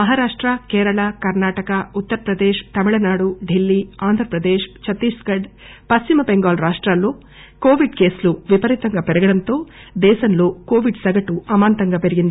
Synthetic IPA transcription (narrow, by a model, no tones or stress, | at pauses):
mɐɦaːɾaːʂʈɾɐkeːɾɐɭaːkɐɾnaːʈɐkɐut̪ːɐɾɐpɾɐd̪eːʃt̪ɐmiɭɐnaːɽuɖilːiaːnd̪ʱɾɐpɾɐd̪eːʂt͡ʃʰɐt̪iːsɡɐɖ | pɐst͡ʃimɐbeŋɡaːlɾaːʂʈɾaːlːoː | ko̞ːʋiɖke̞ːsluʋipɐɾit̪ɐŋɡapɛɾɐɡɐɽɐnt̪o̞ː | d̪ɛːʃɐnloːko̞ːʋiɖsɐɡɐʈuɐmaːnt̪ɐŋɡapeɾiɡind̪ii